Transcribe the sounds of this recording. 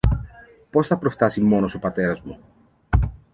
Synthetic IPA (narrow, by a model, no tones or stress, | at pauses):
po̞sθɐpɾo̞ft̪ɐsimo̞no̞so̞pɐt̪e̞ɾɐzmu